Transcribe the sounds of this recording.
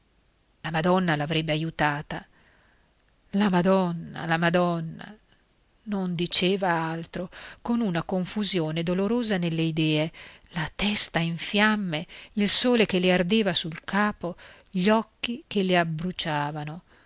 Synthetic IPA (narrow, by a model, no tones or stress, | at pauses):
lamad̪ɔnːalavɾɛbːeajut̪aːt̪a | lamad̪ɔnːa̰lamad̪ɔnːa̰ | nond̪it͡ʃeːvaalt̪ɾokonunakoɱfuzjoːned̪oloɾoːzanelːeid̪ɛːelat̪ɛst̪aiɱfjamːeilsoːlek̟elːeard̪eːvasulkaːpo | ʎɔkːikeleabɾut͡ʃaːvano